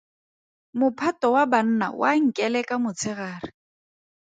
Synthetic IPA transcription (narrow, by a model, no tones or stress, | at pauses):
mʊpʰatɔwaban̩na̰wʔaŋ̩kʼɛlɛkʼamʊt͡sʰɪɣaːrɪ